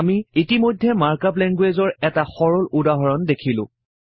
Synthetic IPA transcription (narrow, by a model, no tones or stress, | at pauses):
amiitimojdʱːɛmaɹkap̬lɛnɡwezɔɹɛtaxɔɹɔludaɦɔɹɔndekʰilʊ̰̃